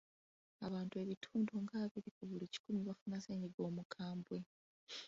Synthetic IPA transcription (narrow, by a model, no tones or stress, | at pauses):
aβaːntue̞βitʰuːndoŋɡaːβiɾikuβulici̥kumiβafunaseːɲiɡo̞ːmukʰaːmbwe̞